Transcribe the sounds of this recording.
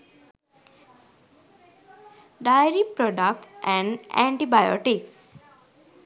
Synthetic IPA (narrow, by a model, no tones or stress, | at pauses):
ɖajəɾipɾɔɖək̚ʈsɛ̃ɳɖɛ̰̃ɳʈibajɔ̰ʈiks